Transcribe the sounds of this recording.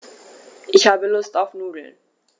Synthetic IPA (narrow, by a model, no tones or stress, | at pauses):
ʔɪçhaːbəlʊstaʊfnuːdl̩